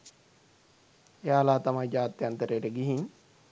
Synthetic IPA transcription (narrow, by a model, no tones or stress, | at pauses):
eaːlaːt̪amajd͡ʒaːt̪ːjant̪əɾeːʈəɡiɦin